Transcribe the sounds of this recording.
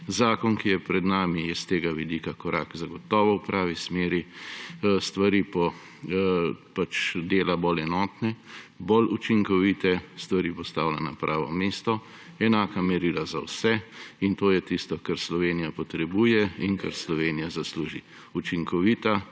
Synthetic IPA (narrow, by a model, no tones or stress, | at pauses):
zaːkɔnkijɛpɾɛd̪naːmijɛst̪eːɡaʋid̪ikakɔɾʔa̰ːkzaɡɔt̪ɔːʋɔwpɾʔaːʋismeːɾi | st̪ʋaɾiːpɔ | pat͡ʃd̪eːlabolɛnɔːt̪nɛbolut͡ʃiŋkɔʋiːt̪ɛst̪ʋaɾiːpɔst̪aːwlana̰pɾʔaːʋɔ̰meːst̪ɔ | ɛnaːkamɛɾiːlaza̰wsɛint̪oːjɛt̪ist̪ɔkaɾslɔʋeːnijapɔt̪ɾɛbuːjɛinkaɾslɔʋeːnijazasluːʒi | ut͡ʃiŋkɔʋiːt̪a